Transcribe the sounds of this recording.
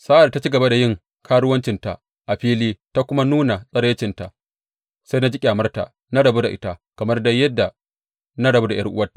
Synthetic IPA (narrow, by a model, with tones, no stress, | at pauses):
sa˦ʔa˨ta˦t͡ʃi˦ɡɐ˨ba˦da˨jɪ˦˨ŋ | kʰaː˦ɽʊ˦wɐ˦nt͡ʃɪ˨nta̰˨ | ʔa˨ɸiː˦liː˦ta˦kʷʊ˦ma˦nuː˦na˨sʼɐ˦ɽeː˦t͡ʃɪ˨nta̰˨ | sa˦jna˦d͡ʒi˦kʲʼaː˨mɐ˦rta˨ | na˦ɽɐ˨bu˦da˨ʔɪ˦ta˦kɐ˨mɐ˦rda˦jːɐ˦dːa˨ | na˦ɽɐ˨bu˦da˨j̰ʔɐ̰˦rʔʊ˦wɐ˦tːḁ˨